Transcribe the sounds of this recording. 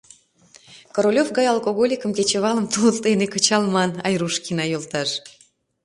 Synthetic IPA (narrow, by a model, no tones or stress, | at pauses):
koɾolʲofɣɑjɑlˠkoɣolʲikəmket͡ɕəβɑləmt̪uləlt̪enekət͡ɕɑlmɑnɑjruʃkinɑjolt̪ɑʃ